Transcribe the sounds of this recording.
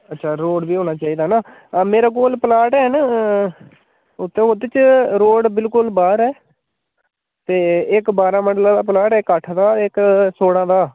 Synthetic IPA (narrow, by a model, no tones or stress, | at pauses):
ətːʃʰaːɾoːɽʋiːɦõːnaːt͡ʃaːiːd̪aːnãː | meːɾaːk̬oːlpəlaːʈɛːn | ʊt̪ʰːẽːot̪ːet͡ʃɾoːɖbɪlkʊlbaːɾɛː | t̪eːɪkbaːɾãːməɳɖlãːd̪aːplaːʈɛːkːəʈʰd̪aːɪksoːɽãːd̪aː